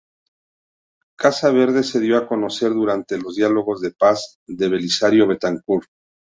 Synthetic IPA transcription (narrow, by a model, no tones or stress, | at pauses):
kasaβ̞e̞ɾðe̞se̞ðjo̞ako̞no̞se̞ɾðuɾant̪e̞lo̞zðjalo̞ɣo̞zðe̞paz | d̪e̞βe̞lisaɾjo̞βe̞t̪aŋkul